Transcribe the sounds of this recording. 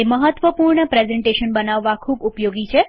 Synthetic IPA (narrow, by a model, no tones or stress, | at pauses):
eməɦət̪ʋəpuɾɳəpɾezeɳʈeʃənbənaʋːakʰuːbupjoɡit͡ʃʰe